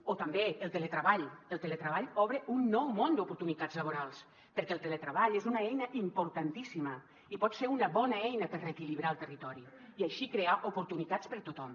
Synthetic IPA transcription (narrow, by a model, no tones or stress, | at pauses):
ot̪əmbeəlˠt̪elət̪ɾəβaʎəlˠt̪ələt̪ɾəβaʎɔβɾəunːɔwmond̪upuɾt̪unit̪ad͡zləβuɾalˠs | pəɾkɛlˠt̪elət̪ɾəβaʎezunəɛjnəʔimpuɾt̪ant̪isimə | ipɔt̪seɾunəβɔnəɛjnəpəɾrekiliβɾaəlˠt̪ərit̪ɔɾi | iaʃikɾeaʔupuɾt̪unit̪at͡spəɾt̪ut̪ɔm